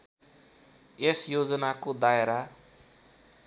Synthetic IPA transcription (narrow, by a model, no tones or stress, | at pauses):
esjod͡zʌnakod̪aeɾa